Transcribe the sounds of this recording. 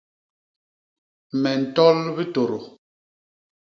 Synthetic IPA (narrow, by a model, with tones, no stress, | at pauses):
mɛ˨n̩˨tɔ˦lbi˦to˨ɾo˨